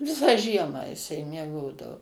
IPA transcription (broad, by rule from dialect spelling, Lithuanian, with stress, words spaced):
ˈʋʲɪsɑː ˈʒʲiɛmɑː jɪˈsɐɪ mʲiɛˈɡoːdɐʋoː